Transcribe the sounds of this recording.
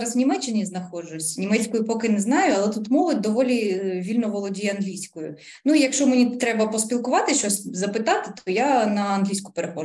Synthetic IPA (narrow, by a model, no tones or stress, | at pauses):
ɾɐswnʲimɛt͡ʃːɪnʲiznɐxɔd͡ʒʊsʲnʲimɛt͡sʲkɔjʊpɔkɪnɛznɑjʊɐlˠɛt̪ut̪mɔʋɪd̪ɔʋɔlʲiʋʲilʲnɔʋɔlˠɔdʲijɛɐnɦlʲijsʲkɔjʊ̰ | nuijɐkʃt͡ʃɔmenʲit̪ɾɛbɐpɔspʲilˠkʊʋɑt̪ɪʃt͡ʃɔsʲzɐpɪt̪ɑt̪ɪ̥t̪ɔjanɐɐnɦlʲijsʲkʊ̥peɾexɔ